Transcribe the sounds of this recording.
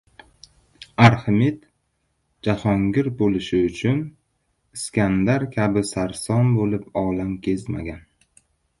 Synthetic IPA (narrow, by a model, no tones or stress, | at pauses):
aɾhɪmit̪ | d͡ʒahɒŋɡʲɪɾbolɪʃɪʊt͡ʃʰʊn | ɪskʲʰand̪aɾkʲʰabɪsaɾsɒnbolɪpɒlamkʲʰezma̰ɡʲan